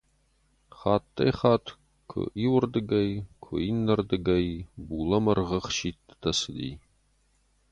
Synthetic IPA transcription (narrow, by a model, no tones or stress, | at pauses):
χaːt̪ʰʼːɐ̰jχɑːtʰ | kʷʰʊ̰ʔiwʊrd̪ɨɡɐjkʷʰʊinːɐrd̪ɨɡɐjbuːlɐmɐrʁəχʃiːt̚t̪ʰɐsɨd̪ḭːj